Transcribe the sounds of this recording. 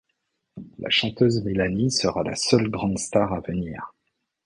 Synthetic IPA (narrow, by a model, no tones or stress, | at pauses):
la̰ʃɑ̃t̪øzmelanisəʁala̰sœlɡʁɑ̃d̪st̪aʁavəniːʁ